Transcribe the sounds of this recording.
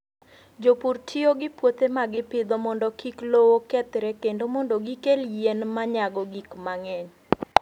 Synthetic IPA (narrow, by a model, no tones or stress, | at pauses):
d͡ʒopurtʰioɡɪpwot̪emaɡɪpɪd̪ɔmɔndɔkiklowokɛt̪ɾɛkendomɔndoɡikeljenmaɲaɡɔɡikmaŋɛɲ